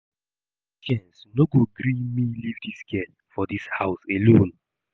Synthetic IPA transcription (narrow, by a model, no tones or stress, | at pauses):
kɛ̃nsnoɡoɡɾĩmilivdiskɛ | fɔdishaʊselõn